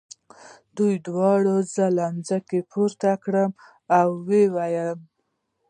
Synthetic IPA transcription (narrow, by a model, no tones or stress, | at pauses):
d̪ujd̪wɑɽozəlamzəkepʰuɾt̪akɽəm | awːewajəm